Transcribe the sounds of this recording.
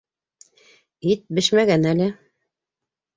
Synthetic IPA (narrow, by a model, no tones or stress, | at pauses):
it̪̚bɘʃmæɡænælɘ